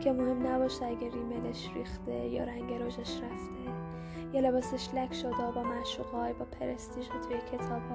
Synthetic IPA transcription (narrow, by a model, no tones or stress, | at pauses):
kʲʰemohe̞mnæbɒːʃt̪eæɡeriːmeleʃrḭːxt̪ejɒ̰ːɾæŋɟeɾoʒeʃræft̪ʰe | jɒlebɒːseʃlækʰʃod̪ebɒːmæʃuːɣɒːjbɒːpʰeɾest̪iʒet̪ʰujecʰe̞t̪ʰɒːb̥hɒː